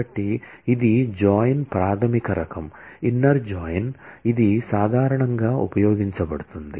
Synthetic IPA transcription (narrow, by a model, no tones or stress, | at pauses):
ɐʈːi | id̪id͡ʒɔːjnpɾaːt̪ʰɐmikɐɾɐkʰɐminːɐɾd͡ʒaːjnid̪isaːd̪ʱaːɾɐɳɐŋɡaːṵpɐjɔːɡiɲt͡ʃɐbɐɽut̪und̪ḭ